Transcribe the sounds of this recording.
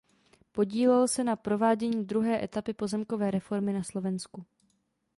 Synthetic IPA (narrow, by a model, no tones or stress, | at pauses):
po̞ɟiːlɛlsɛnapɾo̞vaːɟɛɲiːd̪ɾuɦɛːʔɛt̪apɪpo̞zɛmko̞vɛːɾɛfo̞ɾmɪnaslo̞vɛnsku